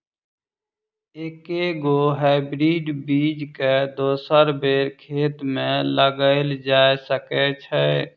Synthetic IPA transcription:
eːkeɡoɦaɪbɾiːɖbiːd͡ʒked̪oːsəɾbeːɾkʰeːt̪mẽləɡəɪld͡ʒaesəkɛt͡ʃʰɛ

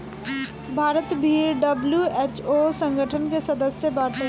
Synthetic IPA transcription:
bʱaːɾət̪bʱiːɖɐbljueːt͡ʃosə̃ŋɡʱəʈʰənkesɐd̪əsjəbaːʈə

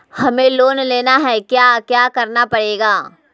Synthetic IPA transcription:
hɐmẽloːnleːnaɦɛkjaːkjaːkɐɾnapɐɽeːɡaː

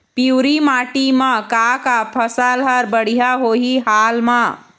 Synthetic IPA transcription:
piwɾimaʈimə̃kakapʰəsəlɦəɾbəɽ̤ijaɦoɦiɦalma

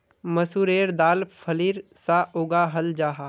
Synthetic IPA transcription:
mɐsuːɾeːɾd̪aːlpʰɐliːɾsaʔoːɡaɦɐld͡ʒaːɦaː

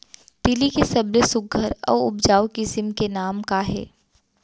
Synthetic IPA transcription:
t̪ɪlikesɐblesʊɡʱəɾɔ̰ːʊbd͡ʒaːokɪsɪmkenaːmkaɦɛ̰ː

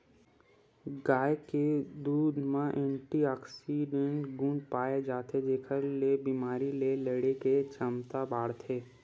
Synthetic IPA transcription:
ɡaːeked̪uːd̪ʱmãʔɛ̃ːɳʈiaːksiɖẽɳʈɡũːɳɖpaːed͡ʒaːt̪ʰed͡ʒ̪eːkʰəɾlebiːmaːɾileləɽeket͡ʃəmt̪abaːɽt̪ʰeː

